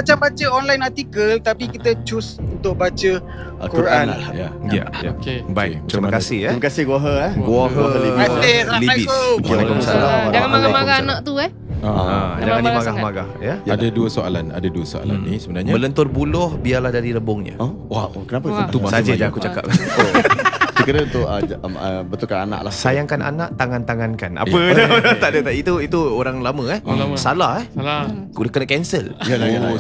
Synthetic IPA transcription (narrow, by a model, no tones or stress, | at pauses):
at͡ʃambat͡ʃəɔnlajnat̪ikəlt̪apikit̪ət͡ʃusunt̪ʊʔ̚bat͡ʃə | kukuɾʔanjaja̰ja̰kbajt̪ɾiiməkasɪhɾiməkasɪhɡuaɦəɡuaɦaɦəiaseliaikuaməsaaad͡ʒaŋamaɡamaɡahanãʔ̚t̪uɛ | aəd͡ʒaŋanimaɡahmaɡahjəjadaduəsoa̰lana̰daduəso̰a̰la̰nːisəbənaɲmələnt̪ʊrbulʊhbialahdaɾiɾəbʊŋɲə̰ | wakənapət̪usad͡ʒəd͡ʒaakut͡ʃaka̰p̚kaosəkəɾəunt̪ʊʔəəbət̪ʊlkanana̰ʔlasajaŋkanʔa̰naʔt̪aŋant̪aŋankana̰pəd̪ɔt̪aʔdət̪ait̪uit̪uoɾaŋlamə̃ɛhsalahɛhkudəkənakɛnsəljaa